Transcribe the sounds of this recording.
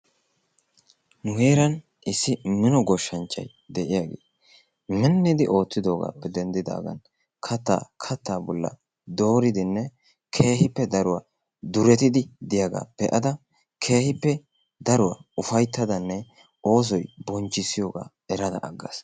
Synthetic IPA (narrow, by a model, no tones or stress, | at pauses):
nʊhe̞ːɾɐn | ʔɪsːɪmɪnɔɡɔʃːɐnt͡ʃːɐ̰j | d̪ɛʔɪjaːɡḛː | mɛnːɪd̪ɪʔo̞ːt̪ːɪd̪o̞ːɡa̰ːpːɛd̪ɛnd̪ɪd̪a̰ːɡɐ̰n | kʰɐt̪ːa̰ːkʰɐt̪ːaːbɔlːɐ̰ | d̪o̞ːɾɪd̪ɪnːɛ | kʰe̞ːhɪpːɛd̪ɐɾʊwa | d̪ʊɾɛt̪ɪd̪ɪd̪ɪjaɡa̰ːpɛʔɐd̪ɐ | kʰe̞ːhɪpːɛ | d̪ɐɾʊwa̰ʊfɐjt̪ːɐd̪ɐnːɛ | ʔo̞ːs̬ɔjbɔnt͡ʃːɪsːɪjo̞ːɡa̰ː | ɛɾɐd̪ɐ̰ʔːɡːɐ̰s